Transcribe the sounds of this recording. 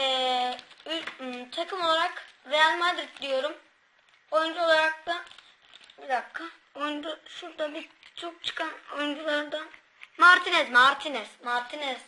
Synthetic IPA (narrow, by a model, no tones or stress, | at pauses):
ɛ | ylt̪ʰakʰɯmo̞lˠaɾakɾejalʲmad̪ɾit̪d̪ijo̞ɾum | o̞jund͡ʒuo̞lˠaɾak̚d̪a | bid̪akʰːa | ojund͡ʒuʃuɾd̪abit͡ʃʰok̚t͡ʃʰɯ̥kʰanojund͡ʒulˠaɾd̪a | maɾt̪ʰinɛzmaɾt̪ʰinɛz̥maɾt̪ʰinɛz̥